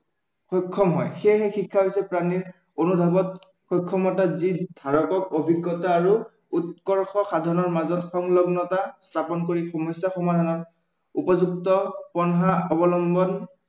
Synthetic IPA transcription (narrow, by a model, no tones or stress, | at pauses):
xɔkʰːɔmɦɔjxejɦɛxikʰːaɦojsɛpɹaniɹ | onudʱabɔt̚ | xɔkʰːɔmɔtazidʱaɹɔkɔkobʱiɡːɔtaːɹu | utkɔɹxɔxadʱɔnɔɹmazɔtxɔŋlɔɡnɔtastʰapɔnkoɹixɔmɔsjaxɔmadʱanɔɹ | upɔzuk̚tɔpɔnɦaɔbɔlɔmbɔn